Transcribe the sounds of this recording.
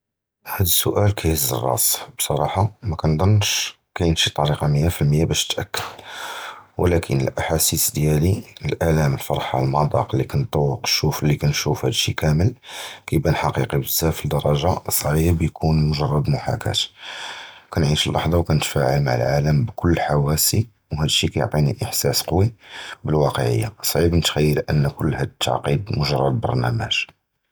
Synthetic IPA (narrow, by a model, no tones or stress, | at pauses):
hæd̪əsːʊʔælkʰæjəzə̰rˤːɑ̰sbsˤɑɾˤɑħɑmækænd̪ˤɑnːʃ | kæjənʃit̪ˤːɑɾiqɑməjːafilməjːabæʃt̪ʔækːəd | wlækʰə̰nə̰lʔaħasisd̪jæliəlʔælæməlfɑɾˤħɑ̰lmɑd̪ˤɑ̰qlːikænt̪ˤːɑwːəqʃːuflːikænʃufhæd̪ʃḭkæməlkæjbænħɑqiqibəzːæfid̪ɑɾˤɑʒasˤːʕibjkʰunmʊʒɑrˤːɑd̪mʊħa̰kæ̰t̪ | kænʕiʃəlʔɑ̰ħd̪ˤɑwkænət̪fæʕəlma̰ʕə̰lʕaləmbkʊlːħawæsi | whæd̪ʃːikæjo̰ʕt̪ˤinḭʔəħsæsqwibəlwɑqəʕə̰jːa̰sˤʕibnət̪xæjːəlʔə̰nːkʊlːhæd̪t̪ʰːɑ̰ʕqid̪mʊʒɑrˤːɑd̪bɑ̰ɾˤnæmæ̰ʒ̥